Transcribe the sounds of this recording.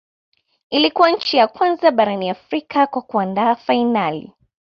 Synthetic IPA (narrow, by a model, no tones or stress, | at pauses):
ilikuwaɲ̩t͡ʃijakwanzaɓaɾaniafɾikakwakuandaːfainalḭ